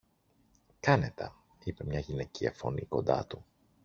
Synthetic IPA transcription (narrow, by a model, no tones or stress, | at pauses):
kɐne̞t̪ɐ | ipe̞mɲɐʝine̞ciɐ̰fo̞niko̞nd̪ɐ̰t̪u